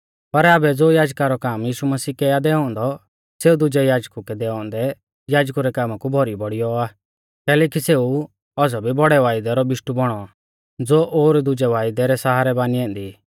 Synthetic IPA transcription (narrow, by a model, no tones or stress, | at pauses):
pɐɾaːbɛd͡zoːjaːd͡ʒkaɾɔkaːmjiːʃumɐsiːkɛjad̪ɛːɔ̃ːnd̪ɔ | seːud̪ʊd͡ʒɛjaːd͡ʒkukɛd̪ɛːɔ̃ːnd̪ɛ | jaːd͡ʒkuɾɛkaːmakubʱɔɾibɔɽijɔaː | kɛːlɛːkiseːu | ɔːsɔbʱibɔɽɛʋaːɪd̪ɛɾɔbɪʃʈubɔɽ̃ɔ | d͡zoːʔoːɾd̪ʊd͡ʒɛʋaːɪd̪ɛɾɛsaːɦaːɾɛbaːniɛ̃ːnd̪i